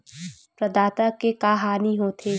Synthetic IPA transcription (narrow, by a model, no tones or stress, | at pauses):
pɾɐd̪aːt̪akekaːɦaːniɦoːt̪ʰeː